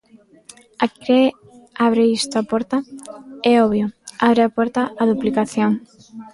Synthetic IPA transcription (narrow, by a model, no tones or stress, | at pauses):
akɾe | aβɾeist̪oapɔɾt̪aɛɔβjoaβɾeapɔɾt̪aaðuplikaθjoŋ